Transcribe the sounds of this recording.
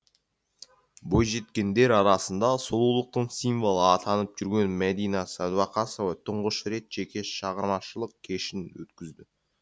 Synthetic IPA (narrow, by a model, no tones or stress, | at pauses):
bo̞jʒe̞t̪kʲe̞nd̪e̞ɾɑɾɑsənd̪ɑsolˠulˠəq̚t̪əɴsijnvo̞lˠəɑt̪ʰɑnəp̚ʒ̥ʏɾɡʲe̞nmæd̪ijnɑsɑd̪wɑqɑsovət̪ʰʊɴʁəʃɾe̞t̪ʒ̥e̞kʲe̞ʃɑʁəɾmɑʃəlˠəq̚kʲʰe̞ʃɪnwɵ̰t̪kʲɪzd̪ɪ